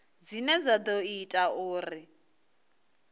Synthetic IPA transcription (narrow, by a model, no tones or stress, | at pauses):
d͡zinɛd͡zad̪ɔitʼaʊːrɪ